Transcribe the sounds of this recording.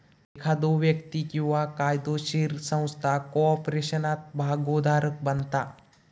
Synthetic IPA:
ekʰad̪oʋjəkt̪ikjuʋakaːjd̪oʃiɾsə̃w̃st̪ʰakoɔpɾeːʃənaːt̪̚bʱaːɡoːd̪ʱaːɾək̚bɐnt̪aː

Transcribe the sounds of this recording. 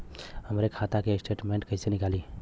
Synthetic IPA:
həmɾekʰat̪akesʈeʈmeɳʈ̚kəɪsenikali

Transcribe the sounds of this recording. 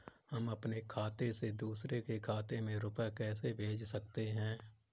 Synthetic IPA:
hɐmɐpnekʰaːt̪esed̪uːsɾekekʰaːt̪emẽɾʊpɛkɛːsebʱeːd͡ʒsɐkt̪eɦɛ̃ː

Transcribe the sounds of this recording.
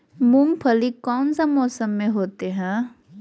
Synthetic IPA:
mumpʰəlikɔːnsamɔːsəmːẽɦoːt̪eɦɛ̃ː

